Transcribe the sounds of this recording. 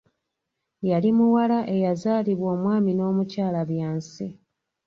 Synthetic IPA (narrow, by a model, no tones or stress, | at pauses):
jalimuwalaʔe̞jazaːliβwo̞ːmwaːmino̞ːmucaːlaβjaːnsi